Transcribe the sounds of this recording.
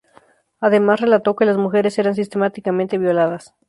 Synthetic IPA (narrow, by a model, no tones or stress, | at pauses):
aðe̞masre̞lat̪o̞ke̞lazmuxe̞ɾe̞se̞ɾans̬ist̪e̞mat̪ikament̪e̞βjo̞laðas